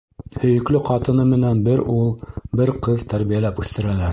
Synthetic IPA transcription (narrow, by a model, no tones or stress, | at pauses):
hɵ̆jɵ̆klɵqɑt̪ɤ̆nɤmɘ̆nænbɘɾulˠbɘɾqɤðt̪æɾβijælæpʉθt̪ɘ̆ɾælæɾ